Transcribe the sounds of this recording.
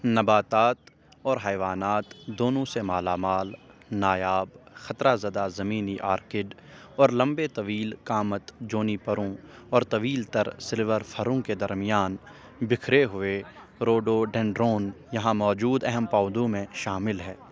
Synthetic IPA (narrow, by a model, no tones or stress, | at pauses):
nɐbaːt̪aːt̪ | ɔːɾɦɛːʋaːnaːt̪d̪oːnõsemaːlaːmaːlnaːjaːbxɐt̪ɾazɐd̪azɐmiːniʔaːɾkɪɖ | ɔːɾlɐ̃mbet̪ɐʋiːlkaːmət̪d͡ʒoːnipɐɾõɔːɾt̪ɐʋiːlt̪ɐɾsɪlʋəɾfʰɐɾõked̪ɐɾmɪjaːn | bɪkʰɾeɦʊe | ɾoːɖoɖɛ̃ɳɖɾoːn | jɐɦãmɔːd͡ʒuːd̪ɛɦɛmpaːd̪õmẽʃaːmɪlɦɛː